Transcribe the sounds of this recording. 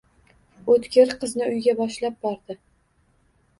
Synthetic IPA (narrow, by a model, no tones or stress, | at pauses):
ot̪kʲɪɾqɨznɪʊjɡʲabɒʃlap̚bɒɾd̪ɪ